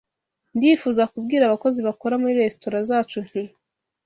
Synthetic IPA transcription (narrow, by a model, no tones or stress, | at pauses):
ndiːfuːzakub̚ɡiːɾaβako̞ziβakoɾamuɾiɾe̞stoɾazaːt͡ʃun̥i